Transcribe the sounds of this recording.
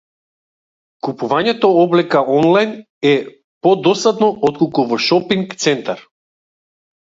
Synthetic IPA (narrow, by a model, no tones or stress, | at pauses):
kupuvaɲɛt̪ɔɔblɛkaɔnlˠajn | ɛ | pɔd̪ɔst̪ad̪nɔʔɔt̪̚kɔlˠkuvɔʃɔpiŋkt̪sɛnt̪aɾ